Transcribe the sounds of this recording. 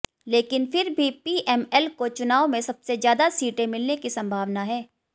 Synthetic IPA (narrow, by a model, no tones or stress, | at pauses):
leːkɪnfɪɾbʱipiːɛːmɛːlkot͡ʃʊnaːomẽsɐb̥sezjaːd̪asiːʈẽmɪlnekisɐ̃mbʱaːʋnaɦɛː